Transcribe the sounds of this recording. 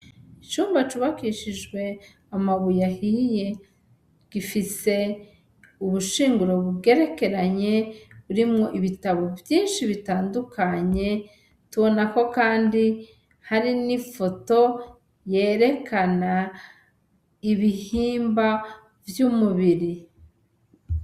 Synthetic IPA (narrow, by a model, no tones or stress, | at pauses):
it͡ʃuːmbat͡ʃuβakiʃid͡ʒɡwe̞ | amaβujahije̞ | ɡ̥ifise̞ | uβuʃiːŋɡuɾo̞βuɡe̞ɾe̞ke̞ɾaɲe̞βuɾimŋo̞ʔiβitaβo̞vjiːnʃiβitaːndukʰaɲe̞ | tuβo̞nako̞kaːndi | haɾinifo̞to̞ | je̞ːɾe̞kʰana | iβihiːmba | vjumuβiɾi